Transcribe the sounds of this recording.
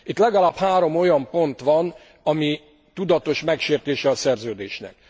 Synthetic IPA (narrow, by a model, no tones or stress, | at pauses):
it̪lɛɡɒlaːphaːɾo̞mo̞jɒmpo̞nt̪ʋɒn | ɒmi | t̪ud̪ɒt̪o̞ʃmɛkʃeːrt̪eːʃɛɒsɛrzøːd̪eːʃnɛ̰k̚